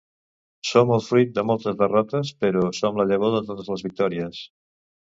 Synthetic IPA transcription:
soməlˠfɾit̪̚d̪əmɔlˠt̪əzðərɔt̪əspəɾɔsomləʎəɣ̞oðət̪ot̪əzləzβik̚t̪ɔɾiəs

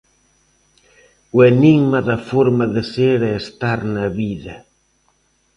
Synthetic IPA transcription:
ueniŋmaðɐfoɾmɐðɪseɾɛːst̪aɾnɐβiðɐ

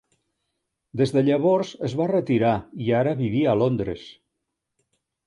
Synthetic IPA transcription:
d̪ezðəʎəβɔɾzəzβarət̪iɾaiaɾəβiβ̞iəlond̪ɾḛs

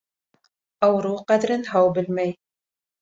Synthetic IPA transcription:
ʔawɾˤuːqɑd̪ɾɪnɦawbɪlmaj

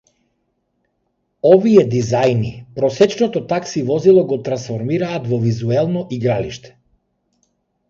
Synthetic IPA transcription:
ɔviɛd̪izajnipɾɔsɛt͡ʃnɔt̪ɔt̪aksivɔzilˠɔɡɔt̪ɾansfɔɾmiɾaːt̪vɔvizuɛlˠnɔʔiɡɾaliʃt̪ɛ̥

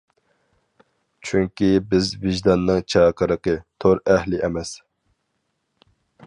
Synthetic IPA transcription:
t͡ʃʰyŋkʲibɪzvɪʒd̪ɑnːɨŋt͡ʃʰɑːqʰəɾəqət̪ʰoɾɛhlɪʔɛmɛs

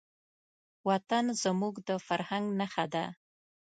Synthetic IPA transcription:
wat̪anzəmuɡd̪əfaɾhaŋɡnaxad̪a̰

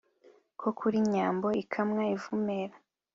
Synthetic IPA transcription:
kʰo̞kʰuɾiɲaːmbo̞ikʰamŋaivumeɾa

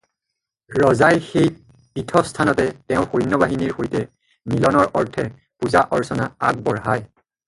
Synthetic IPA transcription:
ɹɔzajxej | pitʰɔstʰanɔtɛtɛʊ̃xojnːɔbaɦiniɹxojtɛ | milɔnɔɹʔɔɹtʰɛ | puzaʔɔɹsɔna̰a̰k̚bɔɹɦaj

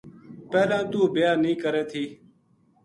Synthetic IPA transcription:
pɛːlãːt̪uːbɪjaːnĩːkəɾeːt̪ʰiː

